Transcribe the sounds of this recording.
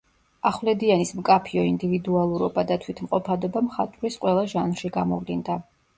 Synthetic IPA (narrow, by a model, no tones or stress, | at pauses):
aχwlɛd̪ianismkʼapʰiɔind̪ivid̪ualˠuɾɔbad̪at̪ʰwit̪ʰmqʼɔpʰad̪ɔbamχat̪ʼuɾisqʼwɛlˠaʒanrʃiɡamɔvlind̪a